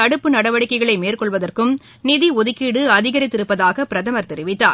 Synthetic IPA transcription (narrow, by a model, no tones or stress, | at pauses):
ɐɽɯpːɯnɐɽɐʋɐɽɪkːɐɪɣɐɭɐɪmeːrkɔɭʋɐðɐrkɯm | nɪðiɔðɪkːɪɽɯɐðɪɣɐɾɪt̪ːɪɾɯpːɐðaːɣɐpɪɾɐðɐmɐɾt̪ɛɾɪʋɪt̪ːa̰ː